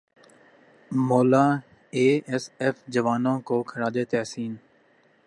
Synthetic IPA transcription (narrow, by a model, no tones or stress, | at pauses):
moːlaː | eːɛsɛfd͡ʒəʋaːnõkoːkʰəɾaːd̪et̪ɛːsiːn